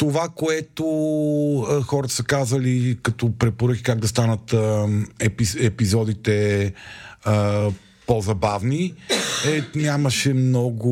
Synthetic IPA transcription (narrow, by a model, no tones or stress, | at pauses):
t̪ovakoɛt̪o | xɔɾət̪ə̥səkazɐlikɐt̪ɔpɾɛpoɾɤkʲi̥kaɡ̚d̪ɐst̪anət̪ | ɛpiɛpizɔd̪it̪ɛ | ə | pɔzɐbavniɛnʲaməʃɛmnɔɡʊ